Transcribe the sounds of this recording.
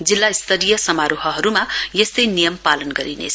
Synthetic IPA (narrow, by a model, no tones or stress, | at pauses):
d͡zilːaist̪ʰʌlijʌsʌmaɾuɦʌɦʌɾumajest̪ʌjnijʌmpalʌnɡʌɾinḛt͡sʰʌ